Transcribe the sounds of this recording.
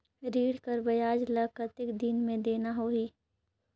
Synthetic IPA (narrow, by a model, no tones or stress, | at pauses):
ɾiːɽkəɾbɐjaːd͡ʒləkət̪ɪkd̪inmẽd̪eːnaɦoːiː